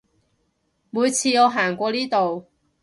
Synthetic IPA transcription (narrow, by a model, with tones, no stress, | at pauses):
muː˨˧jt͡sʰiː˧ŋɔː˨˧ɦaː˨˩ŋkʷɔː˧niː˥t̪o˨w